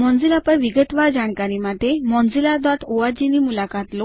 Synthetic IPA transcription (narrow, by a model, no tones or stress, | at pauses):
mɔ̃nd͡zilapəɾʋiɡət̪ʋaɾd͡ʑaɳkaɾimad̪ʱemɔ̃nd͡zilad̪ʋat̪ʰoʋad͡ʑiniːmulakat̪lo